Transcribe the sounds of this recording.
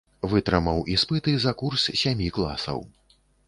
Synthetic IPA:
vɨt̪ɾɨmɐwʔispɨt̪ɨzɐkurssʲamʲiklˠa̰sɐ̰w

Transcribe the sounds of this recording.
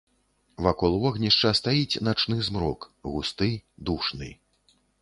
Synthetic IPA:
vakɔlˠvɔɣnʲiʂt͡ʂɐst̪ajit͡sʲnat͡ʂnɨzmɾɔkɣust̪ɨd̪uʂnɨ̰

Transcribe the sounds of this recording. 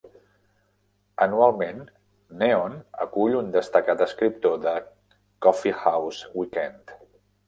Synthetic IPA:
ənualˠmenː | eonə̰kuʎund̪əst̪əkat̪əskɾip̚t̪oðə | kɔfihawzwikɛnt̪

